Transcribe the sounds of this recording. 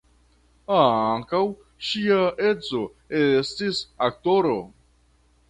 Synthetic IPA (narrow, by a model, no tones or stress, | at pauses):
aaŋkaw | ʃiae̞t͡so̞ | estisak̚to̞ɾo̞